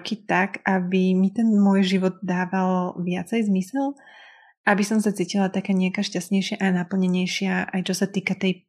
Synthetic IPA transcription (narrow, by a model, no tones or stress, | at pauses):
kit̪akʔabimit̪ɛnmʊɔjʒiʋɔd̪̚d̪aːʋalʋɪat͡sɛjzmisɛl | ʔabisɔmsat͡siːcilat̪akɛːɲɛakaʃcast̪ɲɛjʃɪaʔanapl̩ɲɛɲɛjʃɪaʔajt͡ʃɔsat̪iːkat̪ɛj